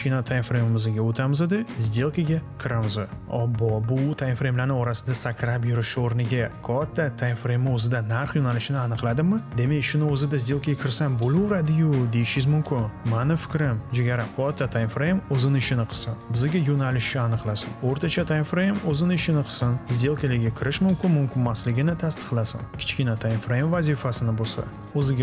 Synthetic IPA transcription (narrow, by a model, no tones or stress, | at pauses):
ʃkʲinat̪ʰaj̪fɾejmɪmɪzɪɡʲaot̪ʰamɪzɪd̪ɪzd̪e̞lˠkʲʰaɡʲakʲʰɪɾamɪzɪ | ɒbɒbʊt̪ʰajnfɾejmlaɾnɪɒɾasɪd̪asakʰʲɾapjʊɾɪʃɪoɾnɪɡʲakʰɒt̪ʰːat̪ʰajnfɾejmɪozɪd̪anaɾχjonalɪʃɪnɪanɨqlˠad̪ɪmɪd̪e̞me̞kʲʃʊnɪozɪd̪azd̪e̞lˠkʰʲaɡʲakʲʰɪɾsanbolʊwɾad̪ɪjʊd̪e̞jɪʃɪzmʊmkʲʰɪnmanɪfɪ̥kʲɾɪmd͡ʒeɡʲaɾakʰɒt̪ʰːat̪ʰajnfɾejmozɪnɪɪʃɪnɪqʰɨ̥sɪnbɪzɪɡʲajonalɪʃɪanɨqlˠasa̰noɾt̪ʰat͡ʃʰat̪ʰajnfɾejmozɪnɪɪʃɪnɪqʰɨ̥sɪnzd̪e̞lˠkʲɪlɪɡʲakʲʰɪɾɪʃmʊmkʲɪnmʊmkʲɪmːaslɪɡʲɪnɪt̪ʰast̪ɨ̥qlˠasa̰nkʲʰɪ̥t͡ʃkʲɪnat̪ʰajnfɾejmvazɪfasɪnɪbosa̰ | ozɪɡʲa